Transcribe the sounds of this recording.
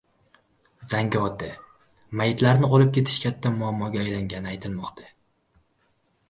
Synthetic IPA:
z̥aŋɡʲɒt̪ɪ | majɪt̪ʰlaɾnɪɒlɪp̚kʲe̞t̪ʰɪ̥ʃkʲʰat̪ʰːamʊamːɒɡʲaːjlaŋʲanɪajt̪ʰɪlmɒqt̪ʰḁ

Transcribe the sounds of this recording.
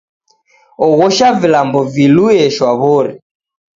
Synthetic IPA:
ɔɣɔʃavilambɔviluɛʃwaβɔɾɛ

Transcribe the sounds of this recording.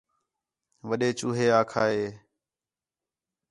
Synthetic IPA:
ʋəɗeːt͡ʃuːɦeːaːkʰaːɦeː

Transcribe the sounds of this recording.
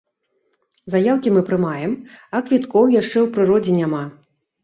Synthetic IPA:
zajawkʲimɨpɾɨmajɛmɐkvʲit̪kɔwjaʂt͡ʂɛwpɾɨɾɔd͡zʲɛnʲama

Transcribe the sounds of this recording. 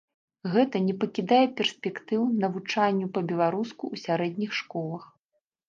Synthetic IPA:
ɣɛt̪ɐnʲɛpɐkʲid̪ajɛpʲɛrsʲpʲɛkt̪ɨwnɐvut͡ʂanʲːupɐbʲɛlˠaɾuskuwsʲaɾɛd̪ʲnʲixʂkɔlˠɐx

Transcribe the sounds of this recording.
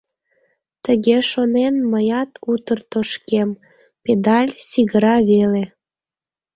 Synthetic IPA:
t̪əɣeʃonenməjɑt̪ut̪ərt̪oʃkem | ped̪ɑlʲsʲiɣəɾɑβele

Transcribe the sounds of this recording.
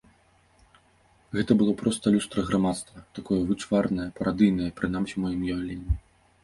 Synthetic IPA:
ɣɛt̪ɐbɨlˠɔpɾɔst̪ɐlʲust̪ɾɐɣɾamat̪st̪vɐt̪akɔjɐvɨt͡ʂvarnɐjɐpɐɾad̪ɨjnɐjɐpɾɨnamsʲimɔjimjɔlʲenʲːi

